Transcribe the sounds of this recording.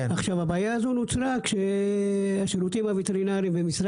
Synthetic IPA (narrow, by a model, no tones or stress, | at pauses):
aχʃavhabaːjaːzo̞nut͡sɾakʃe | aʃeɾut̪imavet̪eʁinaʁimbemisɾ